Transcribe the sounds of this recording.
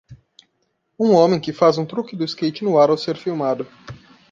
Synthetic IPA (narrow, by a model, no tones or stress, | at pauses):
ũõmẽj̃kɪfazũt̪ɾukɪd̪ʊɪskejt͡ʃɪnʊaɾawseɾfiwmad̪ʊ